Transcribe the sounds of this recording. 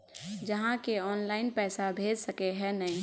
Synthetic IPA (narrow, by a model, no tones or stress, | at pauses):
d͡ʒɐɦãkeɔːnlaːɪnpɛːsabʱeːd͡ʒsəkeɦɛnɐĩ